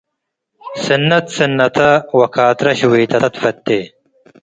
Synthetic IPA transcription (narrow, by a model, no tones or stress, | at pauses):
sɐnːɐt̪sɐnːɐt̪ʰɐwɐkʰaːt̪ɾɐɕwijt̪ɐt̪fɐt̪ːe